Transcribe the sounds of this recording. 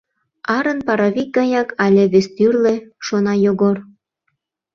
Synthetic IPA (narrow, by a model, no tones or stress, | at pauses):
ɑɾə̆npɑɾɑβik̚ɡɑjɑkʰɑlʲĕβest̪yrlĕʃonɑjoɣor